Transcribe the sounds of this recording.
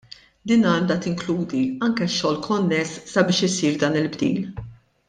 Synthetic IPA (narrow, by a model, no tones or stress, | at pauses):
d̪iːnɐːnd̪ɐt̪ɪŋkluːd̪iɐŋkɛʃːɔːlkʰɔnːɛsːɐbɪːʃɪsiːɾd̪ɐːnɪlbd̪ḭːl